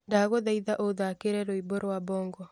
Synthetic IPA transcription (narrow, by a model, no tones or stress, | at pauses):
ndaɣoðaiðaʔoðakeɾɛɾoiboɾowabɔːŋɡɔ